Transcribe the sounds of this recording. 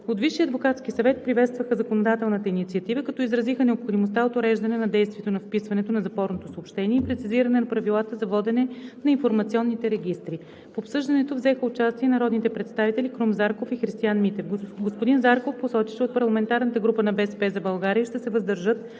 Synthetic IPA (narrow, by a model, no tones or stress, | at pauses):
ot̪viʃːiəɐd̪vokat̪sk̟isɐvɛt̪̚pɾivɛt̪st̪vəxəzɐkonod̪at̪ɛlˠnət̪əinit̪siɐt̪ivəkɐt̪ɔizɾɐzixənɛopxod̪imost̪aot̪ʊɾɛʒd̪ɐnɛnɐd̪ɛjst̪viɛt̪onɐfpisvɐnɛt̪onɐzɐpɔɾnot̪osoːpʃt̪ɛniɛipɾɛt̪siziɾɐnɛnɐpɾɐvilˠat̪əzɐvɔd̪ɛnɛnɐinfoɾmɐt̪siɔnːit̪ɛɾɛɡʲist̪ɾi | poːpsɤʒd̪ɐnɛt̪ovzɛxəʊt͡ʃast̪iɛnɐɾɔd̪nit̪ɛpɾɛt̪st̪avit̪ɛlʲikɾumzaɾkofixɾist̪ianmit̪ɛfɡɡospod̪inzaɾkofposɔt̪iʃɛot̪pɐɾlˠɐmɛnt̪aɾnət̪əɡɾupənɐbɛsɛpɛzɐbɐlˠɡaɾiəʃt̪ɛsɛvəzd̪ɐɾʒɤt̪̚